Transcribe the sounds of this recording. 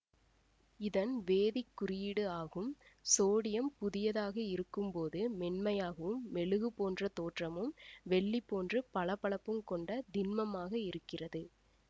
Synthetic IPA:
ɪðɐnʋeːðɪkːʊrɪjɪɽɯaːɣɯmsoːɽɪjɐmpʊðɪjɐðaːɣɐɪɾɯkːɯmpoːðɯːɛnmɐjaːɣɐʋɯmːɛɭɯɣɯpoːndrɐt̪oːʈrɐmɯmʋɛɭːipːoːndrɯpɐɭɐpːɐɭɐpːɯmkɔɳɖɐd̪ɪnmɐmaːɣɐɪɾɯkːɪrɐðɯ

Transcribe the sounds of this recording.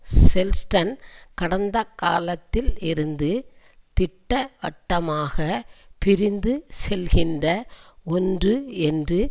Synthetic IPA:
sɛlsʈɐnkɐɽɐnd̪ɐka̰ːlɐt̪ːɪlɪɾɯnd̪ɯ | t̪ɪʈːɐʋɐʈːɐmaːɣɐpɪɾɪnd̪ɯsɛlɣɪndrɐɔndrɯɛndrɯ

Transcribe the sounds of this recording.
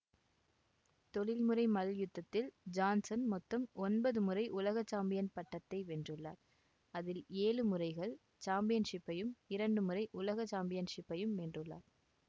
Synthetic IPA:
t̪ɔɻɪlmɯrɐɪmɐljɯt̪ːɐt̪ːɪld͡ʒaːnsɐnmɔt̪ːɐmɔnbɐðɯmɯrɐɪʔʊlɐɣɐt͡ʃːaːmbɪjɐnpɐʈːɐt̪ːɐɪʋɛndrɯɭːa̰ːɾ | ɐðɪleːlɯmɯrɐɪɣɐɭ | t͡ʃaːmbɪjɐnʂɪpːɐjɯmɪɾɐɳɖɯmɯrɐɪʔʊlɐɣɐt͡ʃːaːmbɪjɐnʂɪpːɐjɯmɛndrɯɭːa̰ːɾ

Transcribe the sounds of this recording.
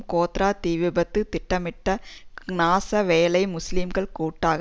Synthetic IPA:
koːt̪ɾaːt̪iːʋɪbɐt̪ːɯt̪ɪʈːɐmɪʈːɐnaːsɐʋeːlɐɪmʊslimɡɐɭkuːʈːaːɣ

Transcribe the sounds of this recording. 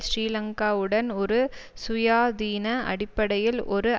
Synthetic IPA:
ɕɾiːlɐŋkaːʋɯɽɐnɔɾɯsʊjaːd̪iːnɐʔɐ̰ɽɪpːɐɽɐjɪlʔɔɾɯ

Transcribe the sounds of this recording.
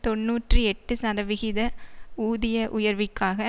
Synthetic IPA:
t̪ɔnːuːʈrɯɛʈːɯsɐɾɐʋɪɣɪðɐuːðɪjɐʔʊjɐɾʋɪkːaːɣɐ

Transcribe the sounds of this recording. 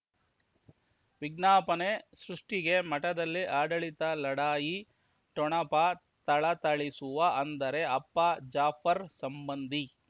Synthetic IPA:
ʋiɡnaːpɐnesɾuʂʈiɡe̞mɐʈɐd̪ɐlːiʔaːɖɐɭit̪ɐlɐɽaːji | ʈɔɳɐpɐ | t̪ɐɭɐt̪ɐɭisuʋɐʔɐnd̪ɐɾe̞ɐpːɐd͡ʒaːfɐɾsɐmbɐnd̪ʱi

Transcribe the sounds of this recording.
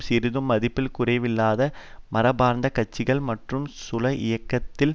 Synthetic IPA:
sɪɾɯðɯmːɐðɪpːɪlkʊrɐɪʋɪlːaːðɐmɐɾɐbaːɾnd̪ɐkɐt͡ʃːɪɣɐɭmɐʈrɯmsʊlɐʔɪjɐkːɐt̪ːɪl

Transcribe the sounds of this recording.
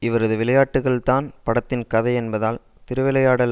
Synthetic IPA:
ɪʋɐɾɐðɯʋɪɭɐjaːʈːɯɣɐɭt̪aːnpɐɽɐt̪ːɪnkɐðɐɪɛnbɐðaːl | t̪ɪɾɯʋɪlɐjaːɽɐl

